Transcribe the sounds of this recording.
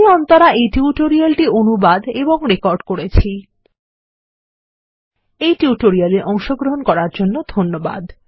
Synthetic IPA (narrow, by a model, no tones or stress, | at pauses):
ɔnt̪oɾaʔejʈuuʈoɾialʈionubad̪eboŋɾekɔɾɖkoɾet͡ɕʰi | ejʈuuʈoɾialeɾʔɔŋʃoɡɾoɦonkɔɾaɾd͡ʑonːod̪ʱonːoba̰d̪